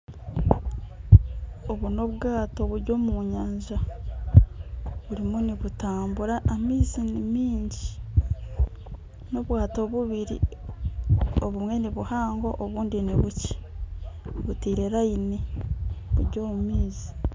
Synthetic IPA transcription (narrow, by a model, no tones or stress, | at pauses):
o̞βuno̞βɡaːto̞βuɾɟo̞ːmuɲaːɲʒa | βuɾimuniβutaːmbuɾaʔːmiːzinimiːɲɟi | no̞βwaːto̞βuβiɾḭ | oβumwe̞niβuhaːŋɡo̞ʔːβuːndiniβuci̥ | βutiːɾeɾaineβuɾɟo̞ːmumiːzi̥